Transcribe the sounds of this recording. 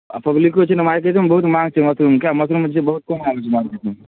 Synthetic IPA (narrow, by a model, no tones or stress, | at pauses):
pɐblikot͡ʃʰenɐmaːɾk̬et̪imbɐɦut̪mãːŋɡt͡ʃʰemɐsɾuːmkjaːmɐsɾuːmd͡ʒʰebɐɦut̪̚konmaːɡot͡ʃʰimaːɾket̪im